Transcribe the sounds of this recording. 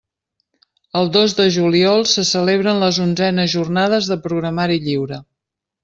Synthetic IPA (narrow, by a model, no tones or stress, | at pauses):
əlˠd̪ozd̪əʒuliɔlˠsəsəleβ̞ɾənləzunzɛnəzʒurnað̞əzðəpɾuɣɾəmaɾiʎiwɾə